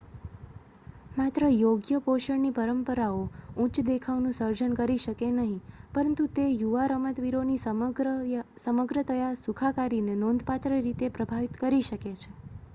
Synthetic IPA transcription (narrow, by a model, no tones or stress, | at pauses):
mat̪ɾəjoɡjəpoʃəɳnipəɾəmpəɾaoũt͡ʃd̪ekʰaʋnũsəɾd͡ʒənkəɾiʃəkenəɦĩpəɾənt̪ut̪ejuʋaɾəmət̪ʋiɾoni | səməɡɾət̪əjasukʰakaɾinenõnd̪ʱpat̪ɾəɾit̪epɾəbʱaʋit̪kəɾiʃəket͡ʃʰe